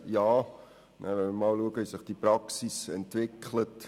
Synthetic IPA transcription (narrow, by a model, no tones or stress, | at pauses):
jɑː | nʔævɛnməmɑːlluəkəhisəχd̥iprɑksisɛntvɪkʰlət